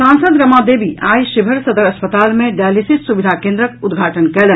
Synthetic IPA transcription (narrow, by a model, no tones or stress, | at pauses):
sãːnsəd̪ɾɐmad̪eːbiaːjʃɪbʱəɾsɐd̪əɾɐspət̪aːlmẽɖaːlisɪsːuʋɪd̪ʱakẽːnd̪ɾəkʊd̪ɡʱaːʈənkɛle